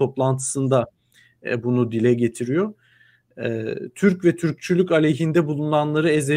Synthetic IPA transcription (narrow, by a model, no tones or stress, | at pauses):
o̞plˠant̪ʰɯ̥sɯnd̪a | bunud̪ilʲɛɟe̞t̪ʰiɾijo̞ | t̪ʰyɾcvɛt̪ʰyɾc̚t͡ʃʰylʲycalʲeɦind̪ɛbulˠunanlˠaɾɯeze